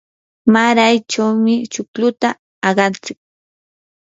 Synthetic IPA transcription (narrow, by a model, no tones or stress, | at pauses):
maɾajt͡ʃawmɪt͡ʃʊklʊt̪aː | ɢɑnt͡sɪk̚